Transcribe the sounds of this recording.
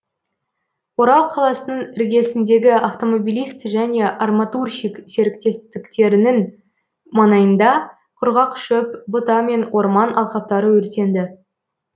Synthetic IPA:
wo̞ɾɑlˠqʰɑlˠɑsənəɴɪɾɡʲe̞sɪnd̪e̞ɡʲɪʔaft̪o̞mo̞bʲijlʲˠijst̪ʒæne̞ʔɑrmɑt̪urʃijkse̞ɾɪkt̪e̞st̪ɪkt̪e̞ɾɪnɪŋ | mɑnɑjənd̪ɑ | qʰʊɾʁɑqʃɵpbʊt̪ɑme̞nwo̞ɾmɑnɑ̰lˠqɑp̚t̪ɑɾəwɵɾt̪e̞nd̪ɪ

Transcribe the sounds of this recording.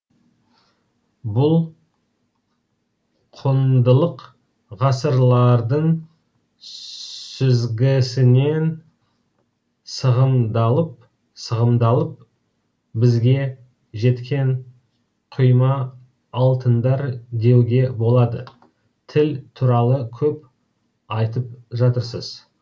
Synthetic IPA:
bʊlˠ | qʰʊnd̪əlˠəq | ʁɑsəɾlˠɑɾd̪əɴ | sʏzɡʲɪsɪne̞n | səʁəmd̪ɑlˠəp̚ | səʁəmd̪ɑlˠəp̚ | bɪzɡʲe̞ | ʒe̞t̪kʲʰe̞ɴ | qʰʊjmɑː | lˠt̪ənd̪ɑɾd̪e̞wɡʲe̞bo̞lˠɑd̪ə | t̪ʰɪlt̪ʰuɾɑlˠəkʲʰɵp̚ | ɑjt̪əp̚ʒɑt̪əɾsəz̥

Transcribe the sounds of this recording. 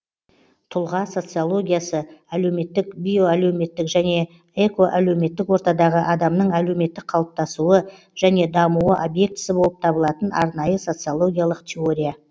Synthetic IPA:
t̪ʰʊlˠʁɑso̞t̪sɨjolˠo̞ɡʲijasəælewme̞t̪ːɪkbʲijo̞ælewme̞t̪ːɪkʒæne̞ | eko̞ʔælewme̞t̪ːɪkwo̞ɾt̪ɑd̪ɑʁəʔɑd̪ɑmnəɴælewme̞t̪ːɪk̚qʰɑlˠəp̚t̪ɑsuə | ʒ̥æne̞d̪ɑmuwəʔobje̞k̚t̪ɪ̥sɪbolˠəp̚t̪ʰɑbəlˠɑt̪ənɑ̰ɾnɑjəso̞t̪sɨjolˠo̞ɡʲijalˠəqt̪ʲʰeo̞ɾʲija

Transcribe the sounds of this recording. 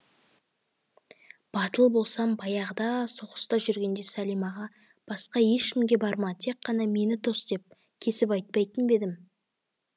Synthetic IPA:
b̥ɑt̪əlˠbo̞lˠsɑmbɑjɑʁəd̪ɑso̞qə̥st̪ɑʒʏɾɡʲe̞nd̪e̞sælijmɑʁɑ | b̥ɑsqɑje̞ʃkʲɪmɡʲe̞bɑɾmɑt̪ʰe̞k̚qːɑnɑme̞nɪt̪ʰo̞sd̪e̞p̚ | kʲʰe̞sɪpɑjt̪̚pɑjt̪ənbe̞d̪ɪm

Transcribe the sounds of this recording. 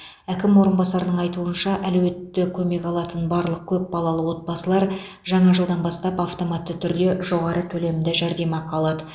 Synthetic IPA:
ækʲɪmwo̞ɾənbɑsɑɾənəɴɑjt̪uənʃɑʔælwe̞t̪ːɪkʲʰɵme̞kɑlˠɑt̪ənbɑɾlˠəq̚kʲʰɵp̚b̥ɑlˠɑlˠəwo̞t̪̚bɑsəlˠɑɾ | ʒɑɴɑʒəlˠd̪ɑnbɑst̪ɑpɑft̪o̞mɑt̪ːət̪ʰʏɾd̪e̞ʒo̞ʁɑɾət̪ʰɵle̞mɪd̪ɪʒæɾd̪e̞mɑqʰɑlˠɑd̪ə

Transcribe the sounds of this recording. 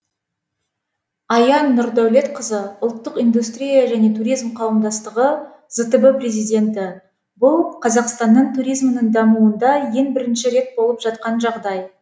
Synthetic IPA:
ɑjɑnːʊɾd̪æwle̞t̪qʰəzəʊlˠt̪ːəqind̪ust̪rʲijaʒæne̞t̪ʰuɾijzmqʰɑwəmd̪ɑst̪əʁə | z̥ət̪əbəpre̞zijd̪ʲe̞nt̪ɪ | bʊlˠqʰɑzɑqst̪ɑnːəɴt̪ʰuɾijzmənəɴd̪ɑmuənd̪ɑje̞ŋbɪɾɪnʃɪɾe̞t̪̚bo̞lˠəpʒɑt̪̚qɑnʒɑʁd̪ɑj

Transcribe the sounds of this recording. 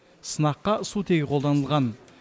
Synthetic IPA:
sənɑqːɑsut̪ʰe̞ɡʲɪqʰolˠd̪ɑnəlˠʁɑn

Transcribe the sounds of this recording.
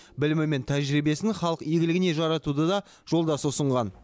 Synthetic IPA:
bɪlɪmɪme̞nt̪ʰæʒɾibe̞sɪŋχɑlˠəqiɡʲɪlɪɡʲɪne̞ʒɑɾɑt̪ud̪əd̪ɑ | ʒ̥o̞lˠd̪ɑsəʊsəɴʁɑn

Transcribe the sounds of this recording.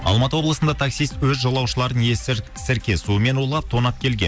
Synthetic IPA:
ɑ̰lˠmɑt̪əwo̞blˠəsənd̪ɑt̪ʰɑksijst̪wɵzʒolˠɑwʃəlˠɑɾənje | sɪɾkʲe̞suəme̞nwolˠɑp̚t̪ʰo̞nɑp̚kʲʰe̞lɡʲe̞̰n

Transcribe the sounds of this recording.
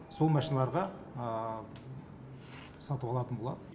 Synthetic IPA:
so̞lˠmɑʃinɑlˠɑɾʁɑ | sɑt̪əbɑlˠɑt̪ənbolˠɑ̰d̪ə

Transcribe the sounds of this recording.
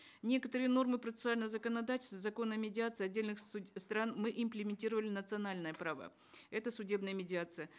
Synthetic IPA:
nʲe̞kət̪əɾɨjəno̞rmɨpɾət̪sɨ̥sɨalʲnəvəzəkənɐd̪atʲɪlʲst̪vəzɐko̞nːəmʲɪdʲɪat̪sɨɐdʲːelʲnɨxst̪ɾanmɨʔɪmplʲɪmʲɪnʲtʲiɾəvəlʲɪnət̪sɨɐnalʲnəjəpɾavə̰ | ɛt̪əsʊdʲe̞bnəjəmʲɪdʲɪat̪sɨjə

